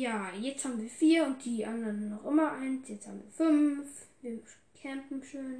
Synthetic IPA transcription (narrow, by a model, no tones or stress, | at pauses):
jaːjɛt͡stʰhaːbm̩viːɐfiːɐʊnt̚d̥iːʔanlɐnnɔχʔɪmɐʔaɪnsjɛt͡stha̰ːbm̩viːɐfʏnfviː | kʰɛmpm̩ʃøːn